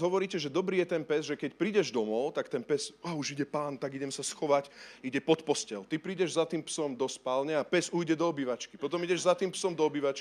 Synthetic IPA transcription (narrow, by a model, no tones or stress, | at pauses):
ɦɔʋɔɾiːcɛʒɛd̪ɔbɾiːjɛt̪ɛnpɛzʒɛkɛcpɾiːɟɛʒd̪ɔmɔʊt̪akt̪ɛnpɛzauʒiɟɛpaːnt̪aɡiɟɛmsasxɔʋaciɟɛpɔt̪pɔscɛlt̪ipɾiːɟɛʒzat̪iːmpsɔmd̪ɔspaːlɲɛapɛzuːjɟɛd̪ɔɔbiːʋat͡ʃkipɔt̪ɔmiɟɛʒzat̪iːmpsɔmd̪ɔɔbiːʋat͡ʃk